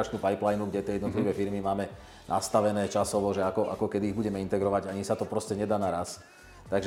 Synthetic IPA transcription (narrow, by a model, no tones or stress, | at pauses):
at͡ʃnuːpajplajnuɡɟɛt̪ɛjɛd̪nɔt̪liʋɛːfiɾmimaːmɛ | nʔa̰st̪aʋɛnɛːt͡ʃasɔʋɔʒɛakɔʔa̰kɔkɛd̪iːɣbuɟɛmɛint̪ɛɡɾɔʋaɟaɲisat̪ɔpɾɔscɛɲɛd̪aːnaɾas | t̪aɡʒ